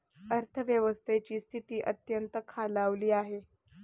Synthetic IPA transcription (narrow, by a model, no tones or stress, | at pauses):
əɾt̪ʰəʋjəʋəst̪ʰet͡ɕiːst̪ʰit̪iːʔət̪jənt̪əkʰalaʋliːaɦe